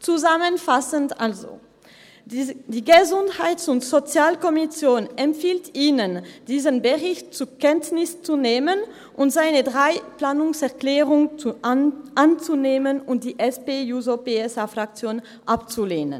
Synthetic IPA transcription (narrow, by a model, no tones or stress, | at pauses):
t͡suzamənfasəntʔalzo̰ | d̥iːɡəzʊnthaɪtsʊntz̥ot͡sjaːlkɔmisjoːnɛmfiːltʔiːnənd̥iːzənbəʁɪçtt͡sukʰɛntnɪst͡suneːmən | ʔʊntz̥aɪnədʁaɪplaːnʊŋsɛɐklɛːʁʊŋ | ʔant͡suneːmənʊnt̚d̥iːʔɛspeːjuːzopeɛsafʁ̥ak̚t͡sjoːn | ʔapt͡suleːnə̰n